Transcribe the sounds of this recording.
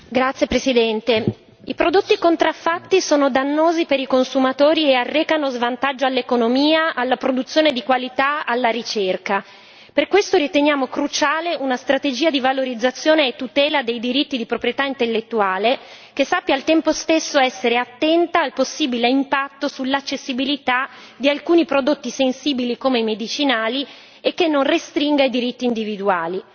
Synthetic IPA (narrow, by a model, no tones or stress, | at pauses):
ɡɾat̪sjepɾesid̪ɛnt̪e | ipɾod̪ot̪ːikont̪ɾafːat̪ːisoːnod̪anːoːzipeɾikonsumat̪oːɾiearːɛːkanozvant̪ad͡ʒːoalːekonomiːaʔalːapɾod̪ut̪sːjoːned̪ikwalit̪aalːaɾit͡ʃerka | perkwest̪oɾit̪enjaːmokɾut͡ʃaːleʔunast̪ɾat̪ed͡ʒiːad̪ivaloɾid̪zːat̪sːjoːneːt̪ːut̪ɛːlad̪ejd̪iɾit̪ːid̪ipɾopɾijet̪aint̪elːet̪ːuaːle | k̟esːapːjalt̪ɛmpost̪esːoɛsːeɾeat̪ːɛnt̪aːlposːiːbileimpat̪ːosulːat͡ʃːesːibilit̪a | d̪ialkuːnipɾod̪ot̪ːisensiːbilikomeimed̪it͡ʃinaːli | ekːenːonrest̪ɾiŋɡaid̪iɾit̪ːiːnd̪ivid̪uaːli